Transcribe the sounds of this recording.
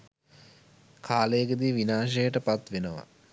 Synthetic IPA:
kʰaːlejːɡəd̪iʋinaːʃɐjəʈəpat̪ʋenəʋa̰

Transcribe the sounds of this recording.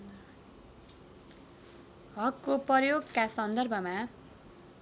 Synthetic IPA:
ɦʌkːoprʌrjoɡkasʌnd̪ʌrbʱʌma

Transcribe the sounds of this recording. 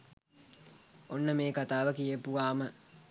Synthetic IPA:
onːəmeːkat̪aːʋəkijəpuʋaːmə

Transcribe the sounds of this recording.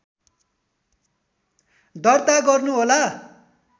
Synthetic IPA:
d̪ʌrt̪aɡʌrnuɦola

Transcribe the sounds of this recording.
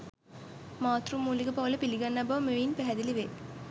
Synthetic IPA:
maːt̪rumːuːliɡəpaʋɐləpiliɡɐnːɐbɐʋmeʋinpæɦæd̪iliʋe

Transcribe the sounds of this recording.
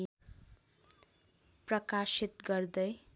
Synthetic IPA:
prʌkasit̪ɡʌrd̪ʌj

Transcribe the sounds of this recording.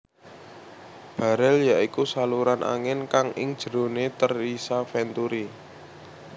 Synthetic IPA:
b̥a̤ɾɛljaʔikusaluɾanʔa̰ŋɪnkaŋɪ̰ŋd̥ʒ̥ə̤ɾo̤net̪ərisafɛnt̪uɾi

